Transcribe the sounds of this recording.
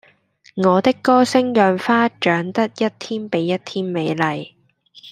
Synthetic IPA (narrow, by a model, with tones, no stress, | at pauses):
ŋɔː˨˧t̪ɪ˥kːɔː˥sɪ˥ŋjœː˨˩ŋfaː˥t͡ʃœː˨˥ŋt̪ɐ˥t̚jɐ˥t̚t̪ʰiː˥npe˨˥jːɐ˥t̚t̪ʰiː˥nme˨˧jlɐ˨˩j